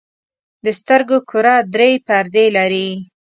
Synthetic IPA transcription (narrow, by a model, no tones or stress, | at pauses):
d̪əst̪əɾɡokʰʊɾɑd̪ɾepaɾd̪elaɾi